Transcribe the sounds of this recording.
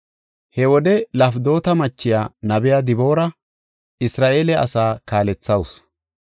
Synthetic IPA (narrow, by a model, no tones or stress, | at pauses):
hɛwɔd̪ɛlɐfd̪o̞ːt̪ɐmɐt͡ʃːɪjaːnɐbɪjaːd̪ɪbo̞ːɾɐ | ɪsɾaːʔeːlɛɐ̰saːkaːlɛt͡sːɐws